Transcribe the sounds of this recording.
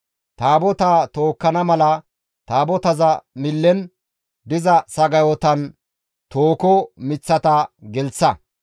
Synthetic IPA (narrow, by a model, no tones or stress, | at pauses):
t̪aːbɔt̪aːt̪oːkːɐnɐmɐlɐ | t̪aːbɔt̪ɐzɐmɪlːɛn | d̪ɪzɐsɐɡɐjɔt̪ɐn | t̪oːkɔmɪt͡sːɐt̪aɡɛlt͡sːɐ